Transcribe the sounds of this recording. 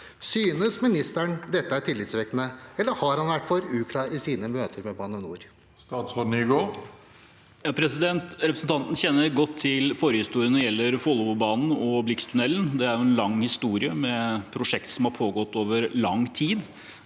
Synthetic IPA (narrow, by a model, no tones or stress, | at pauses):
syːnəsmɪnɪst̪æɳd̪ɛt̪ːəæʈʰɪlːɪt̪sʋɛknəɛlːəɾhɑɾhɑnʋæʈːfɔɾʉːkʰlɑːɾɪsiːnəmøːt̪əɾmɛbɑːnənuːɾ | st̪ɑːt̪sʁoːd̪nyːɡoː | jɑːpʰɾɛsɪd̪ɛnt̪ɾɛpɾəsn̩t̪ɑnt̪n̩çɛnːəɾɡɔt̪ʰːɪlfɔɾəhɪst̪uːɾɪənɔɾjɛlːəɾfɔlːʋʊbɑːnn̩ɔblɪkst̪ʰʉnɛlːnd̪ɛæɾjʊɛnlɑŋːhɪst̪uːɾɪəmɛpʰɾʊʂɛkt̪sɔmhɑɾpʰoːɡɔt̪ːoːʋəɾlɑŋt̪ʰiːd̪